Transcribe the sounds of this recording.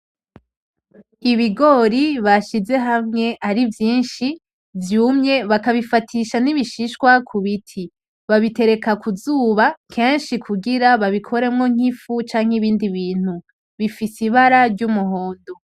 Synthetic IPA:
iβiɡo̞ɾiβaʃize̞ɦamŋe̞ʔaɾivjiːnʃi | vjuːmɲe̞βakaβifatʰiʃaniβiʃiʃkwakʰuβitʰi | βaβite̞ɾe̞kakʰuzuːβakʰe̞ːnʃikʰuɡiɾaβaβikʰo̞ɾe̞mŋo̞ŋ̥ifut͡ʃaːŋ̥eiβiːndiβiːn̥hu | βifisiβaɾaɾɟumuɦo̞ːndo

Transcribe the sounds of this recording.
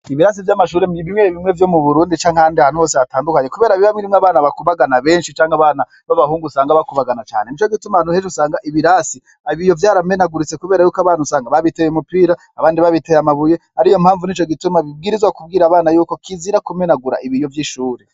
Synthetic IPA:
iβiɾas̬ivjamaʃuːɾeiβimweβimŋe̞vjo̞muβuɾuːndit͡ʃaːŋ̥handiaːnhuho̞ːseataːndukaɲe̞kuβe̞ːɾaβiβamiɾimŋeaβaːnaβakuβaɡanaβe̞ːnʃit͡ʃaːŋhaβaːna | βaβahuːŋɡusaːŋɡaβakuβaɡanat͡ʃa̰ːne̞niːt͡ʃo̞ɡitumanuheʃusaːŋɡaʔiβiɾasi | aβijo̞vjaːɾamenaɡuɾit͡se̞kuβe̞ːɾajuːkaβaːn̥usaːŋɡaβaβitejemupiːɾa | aβaːndiβaβitejamaβuje̞haɾijo̞mhaːɱvuniːt͡ʃoɡitumaβib̚ɡiɾizwakub̚ɡiːɾaβaːnajuːko̞kʰiziɾakumenaɡuɾa̰ʔiβijo̞vjiʃuːɾe

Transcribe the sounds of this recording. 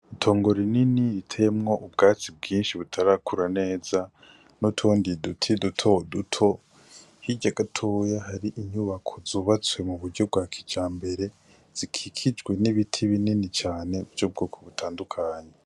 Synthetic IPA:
itʰo̞ːŋɡo̞ɾininiɾitʰemŋo̞ʔubɡaːt͡sib̚ɡiːnʃiβutʰaɾaːkuɾane̞ːza | notʰoːndidutʰidutʰodutʰo̞ | hiɟaɡatʰojahaɾiʔiɲuβakʰo̞zoːβat͡swe̞muβuɾɟo̞b̚ɡwaːkʰi̥d͡ʒaːmbe̞ɾe̞ | z̥ikʰikʰid͡ʒɡwe̞niβitʰiβininit͡ʃaːne̞vjob̚ɡoːkʰoβutʰaːndukʰaːɲe

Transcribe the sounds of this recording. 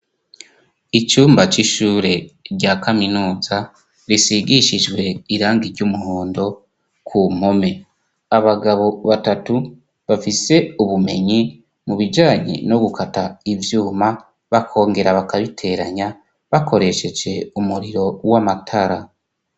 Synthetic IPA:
it͡ʃuːmbat͡ʃiʃuːɾe̞ɾɟakaminuːza | ɾisiɡiʃid͡ʒɡwe̞iɾaːŋɡiɾɟumuhoːndo̞ | kʰum̥ho̞me̞ | aβaɡaβo̞βatatu | βafise̞uβume̞ɲi | muβid͡ʒaːɲḛno̞ɡukʰataivjuːma | βakʰo̞ːŋɡe̞ɾaβakaβitʰe̞ɾaɲa | βakʰo̞ɾe̞ʃe̞d͡ʒe̞umuɾiɾo̞wamatʰaɾa

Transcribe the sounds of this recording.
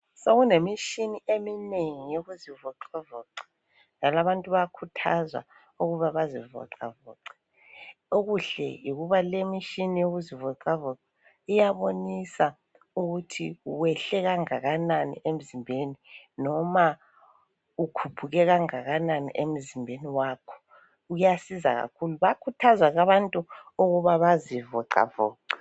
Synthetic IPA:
soɣunemiʃiniemineŋijoɣuzivɔǀɔvɔːǀɛ̥ | d͡ʒalaβantʼuβakʰutʰazwa̰ | uɣuβaβazivɔ̰ǀa̰vɔ̰ːǀɛ̥ | oɣuɬɛ̰jiɣuβalemiʃinijoɣuzivɔǀavɔǀɛ | ijaβonisa | uɣutʰiuwɛɬɛɣaŋaɣananḭʔem̩zimbʱeninɔma | ukʰupʰuɣɛɣaŋaɣananḭʔem̩zimbʱeniwaːkʰɔ̥ | ujasiza̰ɣa̰kʰuluβakʰutʰazwaɣaβantʼuoɣuβaβazivɔǀa̰vɔ̰ːǀḁ

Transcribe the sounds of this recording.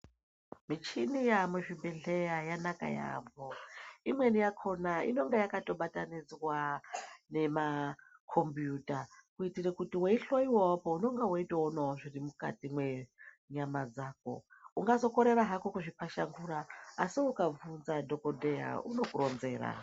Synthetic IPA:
mit͡ʃinijamweʐibe̞ɮejajanaka̰ja̰vo̞imwe̞nijakʰo̞naḭno̞ŋɡejakato̞ɓatanid͡zwane̞makʰo̞mbjutakuitirekutiweiɬoiwowapouno̞ŋɡewaitaonawoʐirimuka̰timwe | ɲamad͡zaːk̚o̞̰uŋɡazo̞ko̞ɾe̞ɾaɦakokuʐipaʃaŋɡuɾaːsiukavunzado̞kodeja̰ṵno̞kuro̞nze̞ːɾa̰

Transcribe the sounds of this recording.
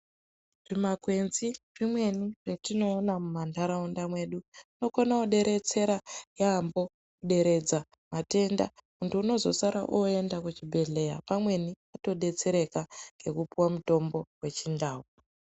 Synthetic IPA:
ʐ̥imakwe̞nzirimwe̞niretino̞ːnamumandaɾaundamwe̞ɗuino̞konauɗe̞ɾe̞t͡se̞ɾajambo̞ | kuɗe̞ɾe̞d͡za | mate̞nda̰muntuːno̞zo̞saɾa̰ʔue̞ndakut͡ʃibʱe̞ɮe̞ja̰pamwe̞niato̞ɗe̞t͡se̞ɾe̞kaŋɡe̞kupuwamuto̞mbo̞we̞t͡ʃindaːwu

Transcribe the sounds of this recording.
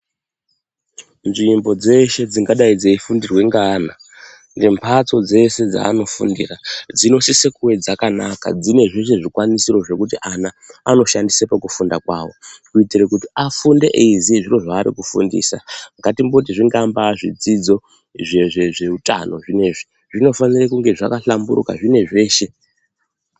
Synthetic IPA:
nʐimbo̞d͡ze̞ʃe̞d͡ziŋɡaɗaid͡zeifundirwe̞ŋɡaːna | nɡe̞mpʰat͡so̞d͡ze̞se̞d͡za̰ːno̞fṵndḭrad͡zino̞sisekuwe̞d͡zakanaka̰d͡zine̞ʐeʃe̞ʐikwanisiro̞ʐe̞kut̬iʔana | ano̞ʃandisepakufundakwaːʋo̞kuitirekutiafundeʔeiziʐiro̞ʐaːɾḭkufṵndḭːsaŋɡatimbo̞t̬iʐiŋɡambaʐḭd͡zid͡zo̞ | ʐe̞ʐe̞ʐe̞uta̰no̞ʐine̞ʐi | ʐ̥ino̞fanirekuŋɡe̞ʐakaɬambṵɾṵka̰ʐine̞ʐe̞ːʃe̞

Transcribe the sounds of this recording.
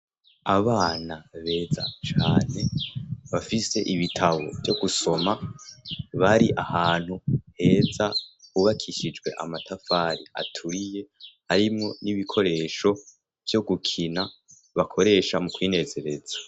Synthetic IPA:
aβaːnaβe̞ːzat͡ʃaːne̞βafise̞̰ʔiβitʰaβo̞̰vjo̞ɡuso̞ma | βaɾiʔahaːn̥huhe̞ːzauβakʰiʃid͡ʒɡwe̞ʔa̰matʰafaːɾia̰tʰuɾije̞haɾimŋo̞niβikʰo̞ɾe̞ːʃo̞ | vjo̞ɡukʰina | βakʰo̞ɾe̞ːʃamukwiːne̞ze̞ɾe̞z̥ḁ

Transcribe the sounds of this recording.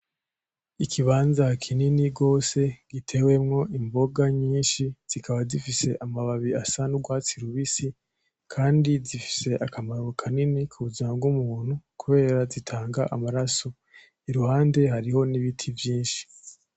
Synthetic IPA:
ikʰiβaːnzakʰininiɡo̞ːse̞ɡ̥itʰe̞we̞mŋo̞ʔimbo̞ɡaɲiːnʃiz̥ikʰaβazifise̞ʔamaβaβiasanuɡwaːt͡siɾuβisi | kʰaːndizifi̥se̞ʔakamaɾwokʰaninikʰuβuzamaɡumuːn̥hukuβe̞ːɾazitʰaːŋɡaʔamaɾaso | iɾuhaːnde̞ɦaɾiho̞niβitʰivjiːnʃi̥

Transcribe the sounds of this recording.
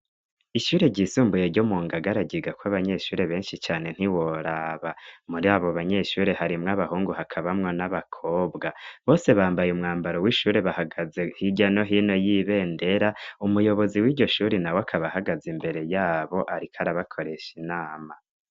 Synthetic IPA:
iʃuːɾe̞ɟisuːmbuje̞ɾɟomuːŋɡaɡaɾaɟiɡakwaβaɲe̞ʃuːɾe̞βe̞ːnʃit͡ʃaːne̞n̥hiwo̞ɾaːβamuɾiaːβoβaɲe̞ʃuːɾe̞ɦaɾimŋaβahuːŋɡuhakʰaβamŋo̞naβakʰo̞ːbɡaβo̞ːse̞βaːmbajumŋaːmbaɾo̞wiʃuːɾe̞βahaɡaze̞hiɟano̞ɦiːno̞jiβe̞ːnde̞ɾaumujo̞βo̞ziwiːɾɟo̞ʃuːɾinawakʰaβahaɡazimbe̞ɾe̞jaːβo̞ʔaɾikʰaɾaβakʰo̞ɾe̞ʃinaːma

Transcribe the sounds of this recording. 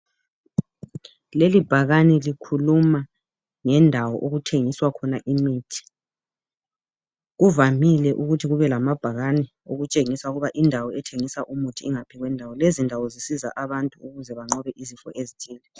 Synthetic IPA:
lelib̥ʱaɣanɛlikʰuluma | ŋɛndʱawɔ̰ʔoɣutʰeŋiswakʰɔnaʔimiːtʰi̥ | ɣuvamilɛʔuɣutʰiɣuβɛlamab̥ʱaɣanɛ | oɣut͡ʃʼeŋisauɣuβaʔindʱawɔɛtʰeŋisaʔumutʰiːŋapʰiɣwɛndʱawɔlezindʱawɔzisiza̰ʔaβantʼuuɣuzɛβaŋ͡ǃɔβɛʔizifɔʔezitʰiːlɛ

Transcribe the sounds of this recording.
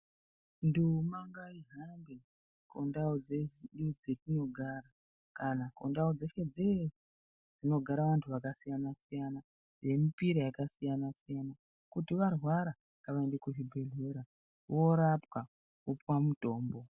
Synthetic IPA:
ndumaŋɡaiɦambe̞ | kondaod͡zeiɗud͡zetino̞ɡʱaɾa | kanakondaod͡zeʃe̞d͡ze | d͡zino̞ɡʱaɾaʋantʰuʋakasijanasijana | ʐe̞mipiɾojakasijanasijana | kutiʋarwaɾa | kaʋaendekuʐibʱe̞ɮe̞ɾa | ʋo̞ɾapwa | kupwamuto̞ːmbo̞

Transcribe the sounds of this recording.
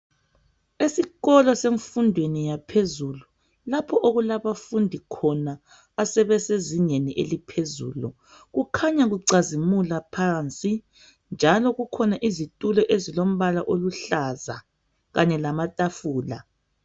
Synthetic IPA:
esiɣɔlɔseɱfundʱwenijapʰezulu | lapʰɔʔoɣulaβafundʱikʰɔnaː | sɛβɛseziɲeniʔelipʰezṵːlṵ | ɣukʰaɲaɣuǀazimulapʰaːnt͡sʼi | nd͡ʒʱalɔɣukʰɔnaʔizitʼulɔʔezilom̩βalaʔoluɬaza̰ | ɣaɲɛlamatʼafuːla̰

